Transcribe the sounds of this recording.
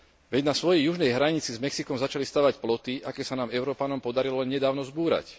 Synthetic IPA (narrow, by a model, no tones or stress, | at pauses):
ʋɛɟnasʋɔjɛjuʒnɛjɦɾaɲit͡sizmɛksikɔmzat͡ʃalist̪aːʋacplɔt̪iʔakɛːsanaːmɛʊɾɔːpanɔmpɔd̪aɾilɔlɛnɲɛd̪aːʊnɔzbuːɾa̰c